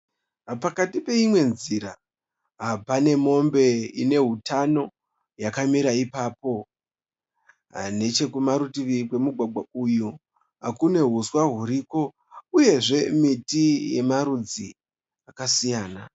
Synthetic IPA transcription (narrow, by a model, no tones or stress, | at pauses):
pakatipe̞imwe̞nziɾa | ɦapane̞mo̞mbe̞ine̞ɦutano̞ | jakamiɾaipaːpo̞ | ne̞t͡ʃe̞kumaɾutiʋikwe̞muɡʱwaɡ͡bʱauju | ɦakune̞ɦuswaɦuɾiko̞ | uje̞ʐe̞mitije̞̰maɾud͡zi | akasijaːna